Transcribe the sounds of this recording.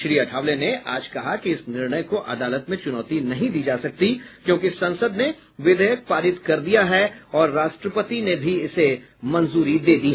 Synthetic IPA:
ʃɾiːɐʈʰaːʋlenea̰ːd͡ʒkɐɦakiɪsnɪɾɳ̃əjkoʔɐd̪aːlət̪mẽt͡ʃʊnɔːt̪inɐɦĩd̪iːd͡ʒaːsɐk̚t̪ikjõːk̬isɐ̃nsəd̪ne | ʋɪd̪əjək̚paːɾɪt̪kɐɾd̪ijaɦɛɔːɾːaːʃʈɾəpət̪inebʱiɪse | mɐ̃nzuːɾid̪eːd̪iːɦ

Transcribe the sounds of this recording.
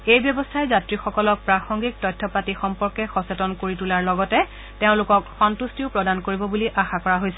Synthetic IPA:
ejbjɔbɔstʰaɛzatɹixɔkɔlɔk̚pɹaxɔŋɡik̚tɔjtʰːɔpatixɔmpɔɹkɛxɔsetɔnkoɹitulaɹlɔɡɔtɛ | teʊ̃lʊkɔkxɔntustiʊpɹɔdankoɹibɔbuliʔaxakɔɹaɦojsɛ̥

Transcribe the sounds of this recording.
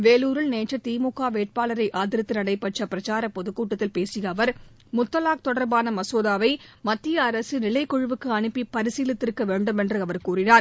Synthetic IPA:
ʋeːluːɾɯɭneːʈt͡ʃːrɐt̪iːmukːaːʋeːʈ̚paːlɐɾɐɪʔaːðɪɾɐt̪ːɯnɐɽɐɪpːɐʈt͡ʃːrɐpːɪɾɐt͡ʃaːɾɐpɔðɯkːuːʈːɐt̪ːɪlpeːsɪjɐːʋɐɾ | mʊt̪ːɐlaːk̚t̪ɔɽɐɾbaːnɐmɐsoːðaːʋɐɪmɐt̪ːɪjɐːɾɐsɯnɪlɐɪkːɔɻɯʋɯkːɯɐɳɯpːipɐɾɪsiːlɪt̪ːɪɾkɐʋeːɳɖɯmɛndrɯɐʋɐɾkuːrɪnaːɾ

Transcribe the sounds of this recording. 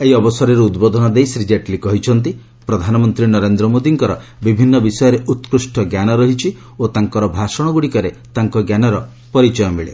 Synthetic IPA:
eɦiɔbɔsɔɾeɾuud̪bɔd̪ʱɔnɔd̪ejsɾid͡ʒaʈlikɔɦit͡ʃʰɔnt̪i | pɾɔd̪ʱanɔmɔnt̪ɾinɔɾend̪ɾɔmod̪iŋkɔɾɔbibʱinːɔbisɔjɔɾeʔut̪kɾusʈʰɔɡjanɔɾɔɦit͡ʃʰi | ot̪aŋkɔɾɔbʱasɔɽ̃ɔɡuɽikɔɾe | t̪aŋkɔɡjanɔɾɔ | pɔɾit͡ʃɔjɔmiɭḛ

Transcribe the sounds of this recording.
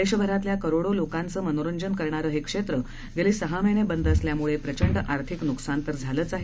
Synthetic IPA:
eɕəbʱəɾat̪ljakəɾoɽolokãnt͡səːmənoɾəɲd͡ʑənkəɾɳaɾəːɦekʂet̪ɾə | ɡeliːsəɦamenebənd̪əsljamuɭepɾət͡ɕəɳɖʔaɾt̪ʰiknuksant̪əɾd͡zʱaləːt͡saɦe

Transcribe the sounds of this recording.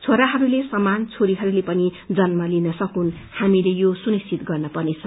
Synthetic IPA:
t͡sʰoɾaɦʌɾulesʌmant͡sʰoɾiɦʌɾulepʌnid͡zʌnmʌlinʌsʌkun | hamilejosunist͡sit̪ɡʌrnʌpʌrnet͡sʰʌ

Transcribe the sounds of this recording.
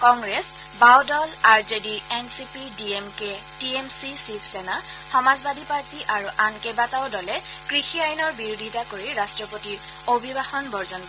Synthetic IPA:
kɔŋɡɹes | bawdɔlaɹzediɛnsipidiemke | tiemsisipʰsɛna | xɔmazbadʱipaɹtiʔaɹuʔankebataʊdɔlɛ | kɹixiajinɔɹbiɹodʱitakoɹiɹastɹɔpotiɹ | obʱibaxɔnbɔɹzɔnpɔ

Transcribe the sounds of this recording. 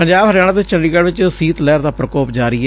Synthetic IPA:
pəɲd͡ʒaːbɦəɾjaːnət̪ɪt͡ʃəɳɖiːɡəɽʋɪt͡ʃsiːt̪lɛːɾd̪aːpɾəkoːpd͡ʒaːɾiɛː

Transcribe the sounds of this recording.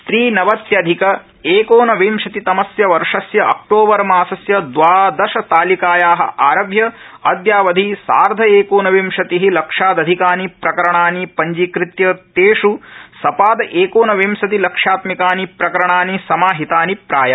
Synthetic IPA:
t̪ɾiːnɐʋɐt̪jɐd̪ʱikɐ | eːkoːnɐʋiːmʂɐt̪it̪ɐmɐsjɐʋɐɾʂɐsjɐʔɐ̰k̚ʈoːbɐɾɐmaːsɐsjɐd̪ʋaːd̪ɐʃɐt̪aːlikaːjaːɦɐ̆ʔaːɾɐʋjɐ | ɐd̪jaːʋɐd̪ʱisa̰ːɾd̪ʱɐeːkoːnɐʋiːmʂɐt̪iɦilɐkʂaːd̪ɐd̪ʱikaːnipɾɐkɐɾɐɳaːnipɐɲd͡ʒikɾɪt̪jɐt̪eːʂusɐpaːd̪ɐʔeːkoːnɐʋeːmsɐt̪ilɐkʂaːt̪mikaːnipɾɐkɐɾɐɳaːnisɐmaːɦit̪aːnipɾaːjɐ

